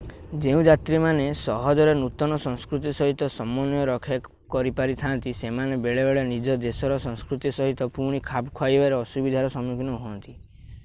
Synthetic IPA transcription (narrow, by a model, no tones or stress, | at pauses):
d͡ʒeũd͡ʒat̪ɾimanesɔɦɔd͡ʒɔɾenut̪ɔnɔsɔ̃ŋskɾut̪̬isɔɦit̪ɔsɔmɔnjɔɾɔkʰja | kɔɾipaɾit̪ʰant̪isemanebeɭebeɭenid͡ʒɔd̪esɔɾɔsɔ̃ŋskɾut̪isɔɦit̪ɔpũikʰabkʰwajbaɾeɔsubid̪ʱaɾɔsɔmjuɡnɔɦuɔnt̪i